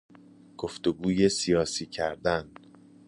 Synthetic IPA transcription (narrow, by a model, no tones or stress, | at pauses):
ɡ̥oft̪oɡuːje̞sijɒːsiːcʰæɾd̪æn